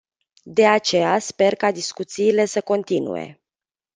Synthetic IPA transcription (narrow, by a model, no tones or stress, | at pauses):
d̪e̞at͡ʃe̞jaspe̞rkad̪iskut̪siːle̞səko̞nt̪inṵe̞̰